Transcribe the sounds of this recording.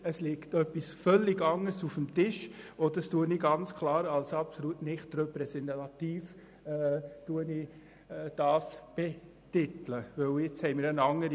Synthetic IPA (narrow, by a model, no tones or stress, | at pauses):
əslɪktœpːisfœlːɪɡɑŋəsufəmtɪʃɔd̥̪stuəniɡɑnt͡skʰlɑːɾɑlsɑpsɔlutnɪχt̪rɛpɾɛsɛntɑtiːf | tuəni | d̥ɑːsb̥ɛ | tɪtləʋɵwɪt͡shɛɪmɪːɾənɑŋːəɾ